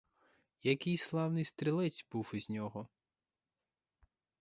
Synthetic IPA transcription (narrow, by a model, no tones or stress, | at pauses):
jɐkɪjslˠɑwnɪjst̪ɾʲilˠɛt͡sʲbuwizʲnʲɔɦɔ